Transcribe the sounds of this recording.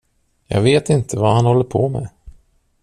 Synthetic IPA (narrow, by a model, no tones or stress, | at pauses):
jɑ̰ːɡveːt̪ɪnt̪ʰəvahanhɔlːəɾpʰomɛ̰